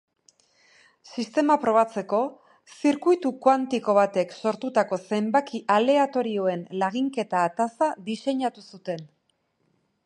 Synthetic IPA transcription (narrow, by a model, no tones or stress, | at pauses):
sist̪e̞mapɾo̞β̞at͡se̞ko̞ | siɾkujt̪ukwant̪iko̞βat̪e̞kso̞ɾt̪ut̪ako̞se̞mbakiʔale̞at̪o̞ɾioe̞nlaɣ̞iŋke̞t̪aːt̪asad̪ise̞ɲat̪usut̪e̞n